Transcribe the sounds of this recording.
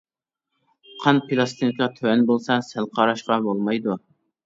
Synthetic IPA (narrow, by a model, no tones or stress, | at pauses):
qʰɑnpʰilˠɑst̪ʰinɪkʲɑt̪ʰøɛnbolˠsɑsælˠqʰɑːɾɑʃqɑbolˠmɑjd̪u